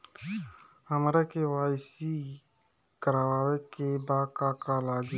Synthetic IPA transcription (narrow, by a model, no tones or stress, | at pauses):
əmɾakewaːsi | kəɾaːwaːwekebaːkaːkalaːɡ